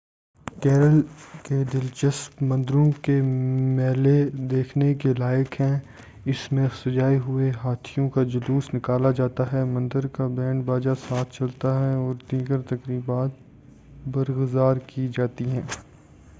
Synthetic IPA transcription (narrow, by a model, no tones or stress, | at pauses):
kɛːɾəlked̪ɪlt͡ʃəspmɐ̃nd̪ɾõkemɛːled̪eːkʰnekelaːjɪəkɦɛ̃ | ɪsmẽxsɐd͡ʒaːiɦʊeɦaːt̪ʰijõkad͡ʒɐluːsnɪkaːlad͡ʒaːt̪aɦɛmɐ̃nd̪əɾkabɛːɳbaːd͡ʒasaːt̪ʰt͡ʃɐlt̪aɦɛɔːɾd̪iːɡəɾt̪ɐkɾiːbaːt̪̚ | bɐɾɣəzaːɾkid͡ʒaːt̪iɦɛ̃ː